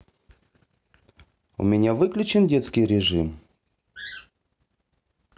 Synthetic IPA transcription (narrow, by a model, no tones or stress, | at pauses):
ṵmʲɪnʲavɨklʲʉt͡ɕɪndʲet̪skʲɪjɾʲɪʐɨm